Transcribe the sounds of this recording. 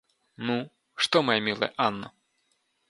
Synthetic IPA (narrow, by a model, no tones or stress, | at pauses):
nu | ʂt̪ɔmɐjɛmʲilˠɐ̰jɛʔanːɔ